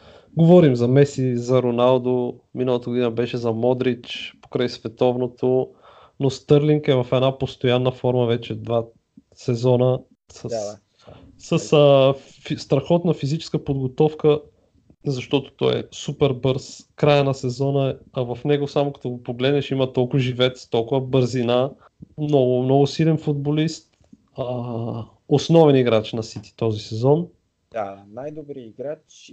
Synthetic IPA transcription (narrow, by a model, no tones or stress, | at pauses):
ɡovɔɾimzɐmɛsizɐɾonalˠd̪ominəlˠət̪əɡod̪inəbɛʃɛzɐmɔd̪ɾit͡ʃpo̥kɾajsvɛt̪ɔvnot̪o | nost̪ɤɾliŋkɛvɐfɛd̪napost̪ojanːəfɔɾmɐvɛt͡ʃɛd̪va | sɛzɔnə | sə | səsə | st̪ɾɐxɔt̪nɐfizit͡ʃɛ̥skəpod̪ɡot̪ɔfkə | zɐʃt̪ɔt̪o̥t̪ɔɛ̰supɛɾbɤɾskɾajənɐsɛzɔnəɛɐvɐfnɛɡosamokɐ̥t̪ɔɡopoɡlɛd̪nɛʃimət̪ɔlˠkʊvəʒivɛt̪st̪ɔlˠkʊvɐəbəɾzina | mnɔɡʊmnɔɡʊsilɛnfud̪̚bolist̪ | ə | osnɔvɛniɡɾat͡ʃnɐsit̪i̥t̪ɔzisɛzɔn | anajd̪obɾiiɡɾat͡ʃ